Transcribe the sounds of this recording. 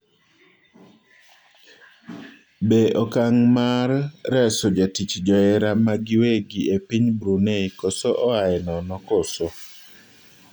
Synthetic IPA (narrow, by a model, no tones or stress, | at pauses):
beʔɔkaŋmaɾːɛsod͡ʒatit͡ʃd͡ʒɔɛɾamaɡɪweɡiepiɲbɾuneikɔsɔʔɔaɛnɔnɔkoso